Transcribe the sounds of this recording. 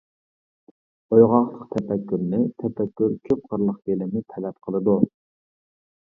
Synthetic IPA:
ojʁɑqlˠəqt̪ʰɛpɛkʲːyɾnɪt̪ʰɛpɛkʲːyɾkʲʰøp̚qəɾlˠəχbelɪmnɪt̪ʰɛlɛp̚qʰəlˠɨd̪u

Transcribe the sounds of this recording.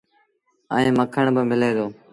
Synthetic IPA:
ə̰ẽːməkʰəɳ̃bəmɪleːd̪oː

